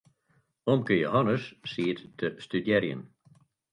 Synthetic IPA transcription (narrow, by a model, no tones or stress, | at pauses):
ɔmkəjohɔnəsːiːəttʰəstydjɛɾjə̰n